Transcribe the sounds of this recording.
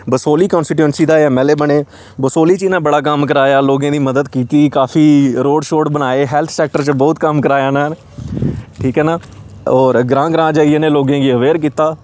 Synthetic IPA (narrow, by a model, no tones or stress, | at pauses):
bəsoːliːkɔ̃ːnsʈɪʈə̃ɳsiːd̪aːɛmɛːleːbəɳeː | bəsoːliːt͡ʃinãːbəɽaːk̬əmk̬əɾaːjaːloːɡãːd̪iːməd̪əd̪kiːt̪iːkaːfʰiːɾoːɖʃoːɖbənaːeːɦɛːlt̪ʰsɛːk̚ʈəɾt͡ʃbɔːt̪kəmkəɾaːjaːnaːn | ʈʰiːkɦɛːnaːɔːɾɡɾãːɡɾãːd͡ʒaːieːneːloːɡẽːɡiːəʋeːɾk̬iːt̪aː